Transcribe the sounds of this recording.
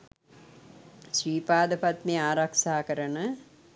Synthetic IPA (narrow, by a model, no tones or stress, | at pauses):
ʃɾiːpaːd̪ɐpɐt̪miaːɾɐkʂaːkɐɾɐnɐ